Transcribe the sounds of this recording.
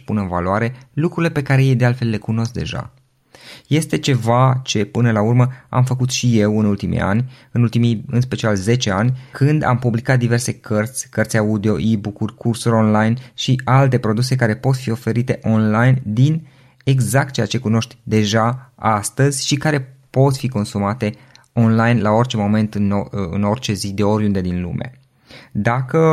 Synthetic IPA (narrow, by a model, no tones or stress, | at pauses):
punɨnva̰luaɾe̞lukɾuile̞pe̞kaɾe̞jejd̪ealt̪fe̞lːe̞kuno̞sk̚d̪e̞̰ʒa̰ | je̞st̪e̞t͡ʃe̞vat͡ʃe̞pɨnəlaurməa̰mfəkut̪ʃije̞wɨnult̪imḭa̰nʲ | ɨnult̪imijɨnspe̞t͡ʃialze̞t͡ʃe̞anʲkʰɨnd̪a̰mpublikat̪̚d̪ive̞rse̞kʰərt̪sʲkərt̪sʲaud̪eo̞ʔibukurʲkʰursuɾʲo̞nlajnʃialt̪e̞pɾo̞d̪use̞kaɾe̞po̞t̪fio̞fe̞ɾit̪e̞ʔo̞nlajnd̪in | e̞ɡzak̚t̪̚t͡ʃeat͡ʃe̞kuno̞ʃt̪ʲd̪e̞ʒaast̪əzʲʃikaɾe̞po̞t̪fiko̞nsumat̪e̞ | o̞nlajnlao̞rt͡ʃe̞mo̞me̞nt̪ɨnɨ̰no̞rt͡ʃe̞zid̪e̞o̞ɾʲund̪e̞d̪inlṵme̞̰ | d̪akə